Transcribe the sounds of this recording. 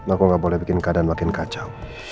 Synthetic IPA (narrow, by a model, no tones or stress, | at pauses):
lakɔŋɡaʔbɔlɛhbikɪnkadanmakɪnkat͡ʃa